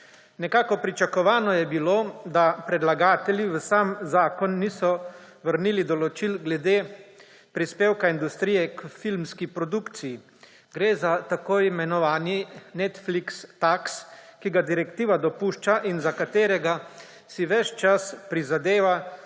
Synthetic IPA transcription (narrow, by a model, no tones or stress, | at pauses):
nɛkaːkɔpɾit͡ʃakɔʋaːnɔjɛbiloːd̪apɾɛd̪laɡaːt̪ɛljiʋəsamzaːkɔnːiːsɔ | ʋəɾniːlid̪ɔlɔt͡ʃilɡlɛd̪eː | pɾispeːwkaind̪ust̪ɾiːjɛkfilmskipɾɔd̪ukt̪siji | ɡɾeːzat̪akoːjimɛnɔʋaːninɛt̪flikst̪akskiɡad̪iɾɛkt̪iːʋad̪ɔpuːʃt͡ʃaʔinzakat̪eːɾɛɡa | siʋɛt͡ʃt͡ʃaspɾizad̪eːʋa